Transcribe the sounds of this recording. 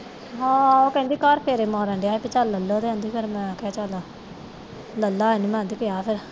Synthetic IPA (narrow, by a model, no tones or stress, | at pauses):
ɦãːoːkɛ̃ːnd̪iːkaɾpʰeɾeːmãːɾɛ̃ːɳɖejaːepɪt͡ʃaləlːoːd̪eãːnd̪iːpʰɪɾmɛ̃ːkɛːt͡ʃaːlaː | ləlːaːeniːmɛ̃ːnd̪iːkeaːpʰɪɾ